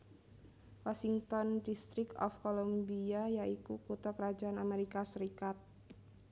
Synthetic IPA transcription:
wasiŋt̪ɔndist̪ɾɪkɔ̰fkolombiajaikukut̪akəɾad͡ʒaanameɾikasəɾikat̪̚

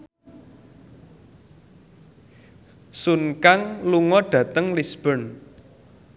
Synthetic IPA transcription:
sunkaŋluŋɔɖ̥ä̤t̪əŋlisb̥ən

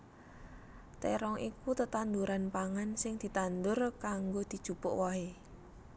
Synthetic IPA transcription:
t̪eɾɔŋʔikut̪ət̪and̪uɾanpaŋansɪŋd̪̥i̤t̪and̪ʊrkaŋɡod̪̥i̤d̥ʒ̥ṳpʊʔwɔɦe

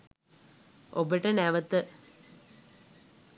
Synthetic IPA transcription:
obəʈənæʋət̪ə

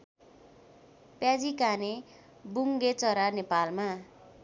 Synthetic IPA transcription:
pjad͡zikane | buŋɡet͡sʌɾanepalma

